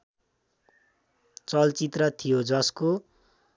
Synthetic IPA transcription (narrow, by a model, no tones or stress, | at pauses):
t͡sʌlt͡sit̪rʌt̪ʰijod͡zʌsko